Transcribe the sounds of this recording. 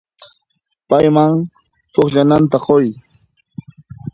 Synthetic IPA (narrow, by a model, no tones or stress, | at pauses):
pajmaŋ | t̪oχʎanant̪aqoj